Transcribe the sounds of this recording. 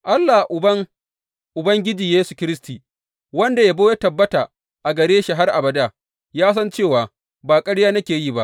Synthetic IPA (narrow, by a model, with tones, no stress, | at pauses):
ʔa˦lːa˨ʔʊ˨ɐ˦ŋ | ʔʊ˨bɐ˦ŋɡʲɪ˦d͡ʒiː˨jeː˦su̥˨kʲɪ˦ɾɪ˦stiː˨ | wɐ˦nda˨ja˦bo˦ja˦tɐ˨bːɐ˦ta˨ | ʔa˨ɡɐ˨ɽeː˦ʃa˨ɦa˦rʔa̰˨bɐ˨da˦˨ | jaː˦s̬ɐ˦nt͡ʃeː˦˨waː˨ | baː˨kʼɐ˦ɽjaː˦nɐ˦kʲeː˨jiː˦˨ba˦ʔ